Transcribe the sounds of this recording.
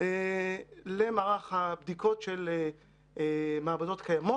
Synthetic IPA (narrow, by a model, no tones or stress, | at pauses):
e | lemaːʁaχhabd̪ikʰo̞tʃele | maːbado̞tkʰajamo